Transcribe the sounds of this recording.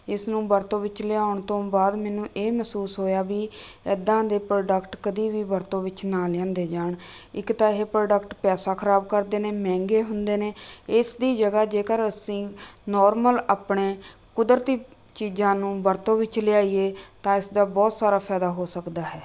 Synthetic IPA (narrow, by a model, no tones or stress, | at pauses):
ɪsnũːbəɾt̪õːʋɪt͡ʃlɪaːʊɳt̪õːbaːd̪mɛːnũːʔeːmɛːsuːsɦoːjaːbiːɛːd̪ãːd̪eːpɾoːɖəkʈkəd̪iːʋiːbəɾt̪õːʋɪt͡ʃnaːlɪjãːnd̪eːd͡ʒaːɳɪkt̪aːɦeːpɾoːɖəkʈpɛːsaːkʰəɾaːbkəɾd̪eːneːmɛ̃ːŋɡeːɦʊnd̪eːneːɪsd̪iːd͡ʒəɡaːd͡ʒeːkəɾəsĩːnɔːɾməlaːpɳeː | kʊd̪əɾt̪iː | t͡ʃiːd͡ʒãːnũːbəɾt̪õːʋɪt͡ʃlɪaːieːt̪ãːɪsd̪aːbɔːt̪saːɾaːpʰɛːd̪aːɦoːsəkd̪aːɦɛː